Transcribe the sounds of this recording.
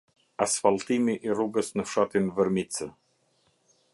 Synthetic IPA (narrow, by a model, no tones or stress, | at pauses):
asfalˠt̪imiʔiɾuɡəsnəʃɑt̪invəɾmit͡sə